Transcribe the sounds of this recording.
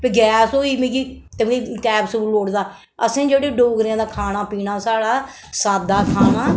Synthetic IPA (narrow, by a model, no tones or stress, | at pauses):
peːɡɛːsoːiːmẽːɡiːt̪eiːkɛːbsəuːloːɽd̪aː | əsẽːd͡ʒeːɽeːɖoːɡɾãːd̪aːkʰaːnaːpiːnaːsaːɽaː | saːd̪aːkʰaːnaː